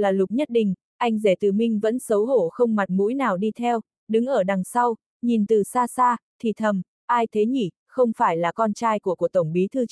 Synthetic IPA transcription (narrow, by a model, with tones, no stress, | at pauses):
laː˨˩lʊ˨˩k͡p̚ɲə˦˥t̚ɗï˧˨ŋ̟ | ʔa˧jŋ̟ze˧˩t̪ɨ˨˩mï˧ŋ̟və̰˧˥nsə˨˦wɦo˧˩xə˧wŋ͡mma˨˩t̚mṵ˧˥jnaː˨˩wɗi˧t̪ʰɛ˧w | ɗɨ˨˦ŋʔəː˧˩ɗa˨˩ŋsa˧w | ɲi˨˩nt̪ɨ˨˩saː˧saː˧t̪ʰi˨˩t̪ʰə˨˩m | ʔaː˧jt̪ʰe˨˦ɲḭ˧˩ | xə˧wŋ͡mfaː˧˩jlaː˨˩kɔ˧nt͡ɕaː˧jku˧˩əkət̪ə˧˩wŋ͡mɓi˨˦t̪ʰɨ˧